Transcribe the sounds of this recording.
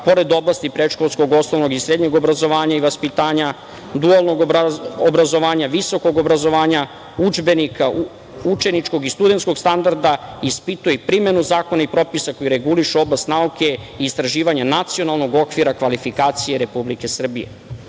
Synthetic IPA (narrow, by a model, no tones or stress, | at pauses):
po̞ɾe̞d̪o̞blast̪ipɾeʃko̞lˠsko̞ɡo̞snoʋno̞ɡisɾe̞d̪ɲeɡo̞bɾazo̞ʋaːɲaiʋaspit̪aːɲa | d̪ualˠno̞ɡobɾazo̞ʋaːɲaʋiso̞ko̞ɡo̞bɾazo̞ʋaːɲa | ud͡ʒbe̞nikʰa | ut͡ʃe̞nit͡ʃko̞ɡist̪ud̪e̞nt̪sko̞ɡst̪and̪aɾd̪aispit̪ujepɾime̞nuzaːko̞naipɾo̞pisako̞jiɾe̞ɡuliʃuo̞blast̪nauke̞iːst̪ɾaʒiːʋaɲanat̪sio̞nalˠno̞ɡo̞kʋiɾakʋalifikaːt̪sije̞ɾe̞publike̞sr̩bḭje̞̰